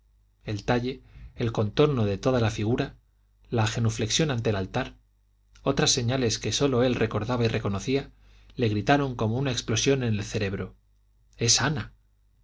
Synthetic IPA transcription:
e̞lt̪aʎe̞ːlko̞nt̪o̞ɾno̞ðe̞t̪o̞ð̞alafiɣ̞uɾa | laxe̞nufle̞ksjo̞nant̪elalt̪aɾ | o̞t̪ɾasːe̞ɲale̞ske̞so̞lo̞e̞lrʔe̞ko̞ɾðaβaire̞ko̞no̞θia | le̞ɣɾit̪aɾo̞ŋko̞mo̞unaeksplo̞sjo̞ne̞ne̞lθe̞ɾe̞β̞ɾo | e̞sana

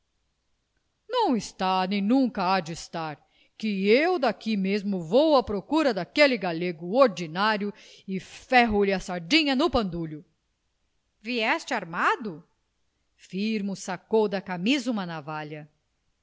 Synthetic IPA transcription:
nɐ̃w̃ɪst̪anẽj̃nũŋkɐad͡ʒɪst̪aɾ | kɪewd̪akimezmʊvowɐpɾokuɾɐd̪akelɪɡaleɡʊoɾd͡ʒinaɾjʊ | ɪfɛɦʊlɪɐsaɾd͡ʒĩɲɐnʊpɐ̃nd̪uʎʊ | viɛst͡ʃɪaɾmad̪ʊ | fiɾmʊsakowd̪ɐkamizũmɐnavaʎɐ

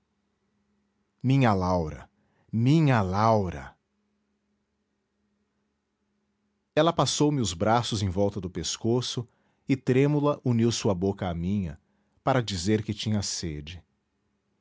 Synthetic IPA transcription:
mĩɲɐlawɾɐ̰ | mĩɲɐlawɾɐ̰ | ɛlɐpasowmɪʊzbɾasʊzẽj̃vɔwt̪ɐd̪ʊpeskosʊ | ɪt̪ɾẽmulɐʔuniwsuɐbokɐːmĩɲɐ | paɾɐd͡ʒizeɾkɪt͡ʃĩɲɐsed͡ʒɪ

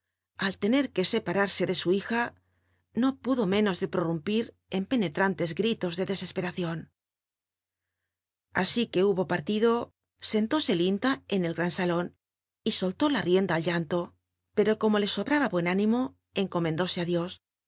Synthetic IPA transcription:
alt̪e̞ne̞ɾke̞se̞paɾaɾse̞ðe̞suixa | no̞puðo̞mẽ̞no̞zðe̞pɾo̞rumpiɾ | e̞mpe̞ne̞t̪ɾant̪e̞zɡɾit̪o̞zðe̞ðe̞se̞spe̞ɾaθjo̞n | a̰sike̞uβo̞paɾt̪iðo̞ | se̞nt̪o̞se̞lint̪ae̞ne̞lɣɾansalo̞n | iso̞lt̪o̞larje̞nd̪aːlʎant̪o̞ | pe̞ɾo̞ko̞mo̞le̞so̞βɾaβaβwe̞nanĩmo̞ | e̞ŋko̞mend̪o̞se̞aðjo̞s

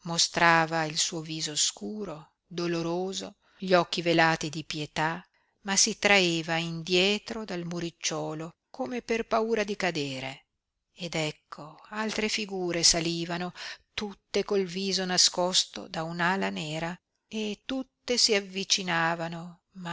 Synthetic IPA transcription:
most̪ɾaːvailsuːoviːzoskuːɾo | d̪oloɾoːzo | ʎiɔkːivelaːt̪id̪ipjet̪a | masit̪ɾaeːvaind̪jɛːt̪ɾod̪almuɾit͡ʃːɔːlo | komeperpauːɾad̪ikad̪eːɾe | ed̪ɛkʰːoalt̪ɾefiɡuːɾesaliːvanot̪ut̪ːekolviːzonaskɔst̪o̰d̪aunaːlaneːɾa | et̪ːut̪ːesiavːit͡ʃinaːvano | ma

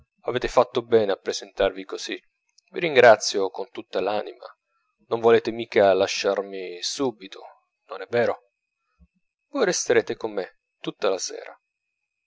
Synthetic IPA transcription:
aveːt̪efat̪ːobɛːneapːɾezent̪arvikoz̥i | viɾiŋɡɾat̪sːjokont̪ut̪ːalaːnḭma̰ | noɱvoleːt̪emiːkalaʃːarmisuːbit̪ʰo | nonɛvːɛːɾo | vojrest̪eɾeːt̪ekomːe | t̪ut̪ːalasɛ̰ːɾa

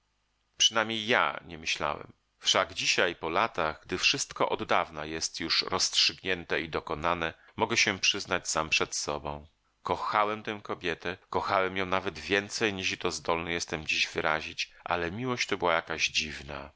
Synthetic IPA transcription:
pʂɘnamʲɲejːa̰ɲɛmɘɕla̰wɛ̰m | fʂaɡd͡ʑiɕajpɔlat̪aɣɡd̪ɘfʂɘst̪kɔʔɔd̪ːavnajɛst̪juʂɾɔstʂɘɡɲɛnt̪ɛid̪ɔkɔnanɛ | mɔɡɛɕɛpʂɘznat͡ɕsampʂɛt̪sɔbɔ̃w̃ | kɔxawɛmt̪ɛ̃w̃kɔbʲjɛt̪ɛkɔxawɛmjɔ̃w̃navɛd̪vʲjɛnt̪sɛjɲiʂit̪ɔzd̪ɔlnɛjɛst̪ɛmd͡ʑiʑvɘɾaʑit͡ɕʔa̰lɛmʲiwɔɕt͡ɕt̪ɔbɘwajakaʑd͡ʑivna̰

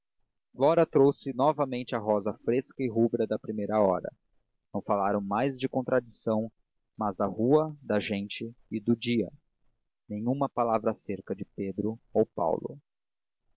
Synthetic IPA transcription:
flɔɾɐt̪ɾowsɪnɔvɐmẽnt͡ʃɪɐɦɔzɐfɾeskɐɪɦubɾɐd̪ɐpɾimejɾɐɔɾɐ̰ | nɐ̃w̃falaɾɐ̃w̃majzd͡ʒɪkõnt̪ɾad͡ʒisɐ̃w̃ | mɐzd̪ɐhuɐd̪ɐʒẽnt͡ʃɪɪd̪ʊd͡ʒiɐ | nẽj̃ũmɐpalavɾɐseɾkɐd͡ʒɪped̪ɾʊowpa̰wlʊ̰

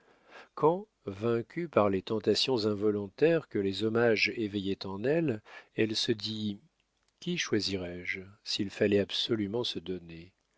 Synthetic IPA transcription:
kʰɑ̃ | vɛ̃kʲʰypaʁlet̪ɑ̃t̪asjɔ̃zɛ̃vɔlɔ̃t̪ɛʁkəlezɔmaʒevɛjɛt̪ɑ̃nɛlɛlsəd̪i | kʲiʃwaziʁɛʒsilfalɛabsɔlymɑ̃səd̪ɔne

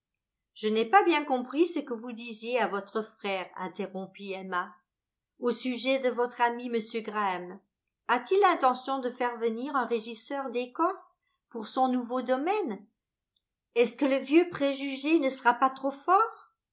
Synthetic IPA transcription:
ʒ̥ənɛpabjɛ̃kɔ̃pχisəkəvud̪izjeavɔt̪χəfχɛːʁɛ̰̃t̪eʁɔ̃piɛma | osyʒɛd̪əvɔt̪χamiməsjøɡʁam | at̪ilːɛ̃t̪ɑ̃sjɔ̃d̪əfɛʁvəniʁɛ̃ʁeʒisœʁd̪ekɔs | puʁsɔ̃nuvod̪ɔmɛn | ɛskələvjøpχeʒyʒenəsəʁapat̪χofɔːʁ

